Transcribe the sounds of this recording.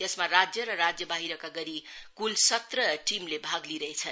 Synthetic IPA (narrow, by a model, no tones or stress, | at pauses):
t̪esmarad͡zjʌɾʌɾad͡zjʌbaɦiɾʌkaɡʌɾikulsʌt̪rʌʈimlebʱaɡliɾʌɦet͡sʰʌn